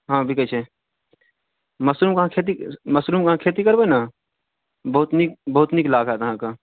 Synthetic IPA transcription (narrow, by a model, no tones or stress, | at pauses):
ɦãːbʱikət͡ʃʰe | mɐsɾuːmkɐɦãkʰeːt̪̬imɐsɾuːmkɐɦãkʰeːt̪̬ikɐɾbenaː | bɐʊt̪nik̚bɐɦʊt̪niklaːɡat̪ɐɦãka